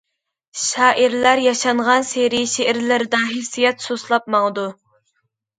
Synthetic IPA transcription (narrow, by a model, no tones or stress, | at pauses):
ʃɑːʔiɾlæɾjɑʃɑɴʁɑnseɾiʃeʔɪɾlɪɾd̪ɑɦesijɛt̪soslˠɑp̚mɑŋəd̪u